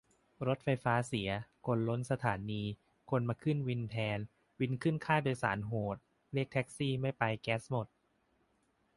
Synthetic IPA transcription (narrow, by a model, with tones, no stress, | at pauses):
ɾo˦˥t̪̚fa˧jfaː˦˥si˩˦ɐkʰo˧nlo˦˥nsa˧t̪ʰa̰ː˩˦niː˧ | kʰo˧nmaː˧kʰɯ˥˩nwi˧nt̪ʰɛː˧n | wi˧˥nkʰɯ˥˩nkʰaː˥˩doː˧jsa̰ː˩˦nɦoː˨˩t̪̚ | li˥˩ək̚t̪ʰɛ˦˥k̚siː˥˩ma˥˩jpa˧jkɛː˦˥smo˨˩t̪̚